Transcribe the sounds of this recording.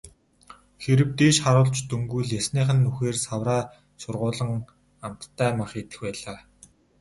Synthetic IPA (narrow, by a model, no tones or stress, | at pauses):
xeɾɘ̆w̚t̪eːʃχaɾʊːɮt͡ɕt̪ɵŋɡujɮjasniːχə̆nːuxeːrsawraː | sʊrʁʊːɮə̆ŋ | am̥t̪ʰːæːmaχet̪ɘ̆xpæːɮaː